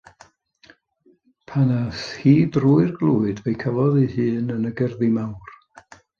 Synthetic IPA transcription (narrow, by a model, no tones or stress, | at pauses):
pʰanashiːbruːɨrɡlˠuːɨdvejkʰalˠɔðihɨːnənəɡərðimawr